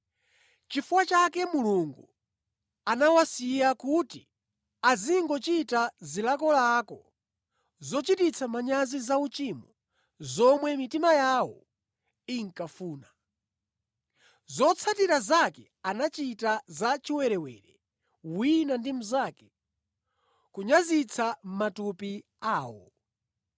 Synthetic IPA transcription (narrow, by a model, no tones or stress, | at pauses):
t͡ʃifuwat͡ʃakɛmuluŋɡu | anawasijakutḭ | aziŋɡɔt͡ʃitazilakɔlaːkɔ̰ | zɔt͡ʃitit͡sʰamaɲazizaut͡ʃimɔ | zɔmwɛmitimajawɔ̰ | iŋkafuːna | zɔt͡sʰatiɾazakɛ | anat͡ʃitazat͡ʃiwɛɾɛwɛɾɛ | winandim̩zakɛ̥ | kuɲazit͡sʰam̩matupi | aːwɔ̰